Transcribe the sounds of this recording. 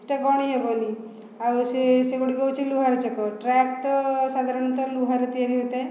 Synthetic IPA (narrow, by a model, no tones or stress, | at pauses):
eʈaɡɔɽ̃iɦɛbɔni | awseseɡoɽikɔwt͡ʃʰiluɦaɾet͡ʃekɔʈɾɛk̚t̪ɔsad̪ʱaɾɔɽ̃t̪ɔluɦaɾet̪iaɾiɦot̪aj